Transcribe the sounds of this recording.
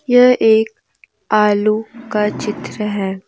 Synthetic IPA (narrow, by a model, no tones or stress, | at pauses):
jɐʔeːk̚ | aːlukat͡ʃɪt̪ɾəɦɛː